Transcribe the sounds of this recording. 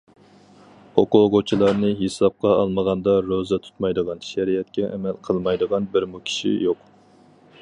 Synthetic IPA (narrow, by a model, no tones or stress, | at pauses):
oqoʁot͡ʃʰilˠɑɾnɨɦesɑp̚qɑɑlˠməʁɑnd̪ɑɾozɛt̪ʰu̥t̪mɑjd̪əʁɑnʃɛɾijɛt̪̚kʲɛʔɛ̰mɛlqʰəlˠmɑjd̪əʁɑnbɪɾmukʲʰi̥ʃḭjoq